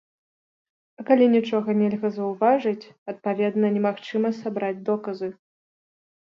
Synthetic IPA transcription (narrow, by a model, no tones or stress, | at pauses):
ɐkalʲinʲit͡ʂɔɣɐnʲɛlʲɣɐzɐwvaʐɨt͡sʲɐt̪̚pavʲɛd̪nɐnʲɛmaxt͡ʂɨmɐsabɾad͡zʲd̪ɔkɐzɨ